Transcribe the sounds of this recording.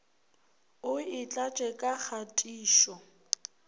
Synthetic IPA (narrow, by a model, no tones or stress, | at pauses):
ʊɪt͡ɬʼat͡ʃʼɛkʼak͡xʰatʼiːʃɔ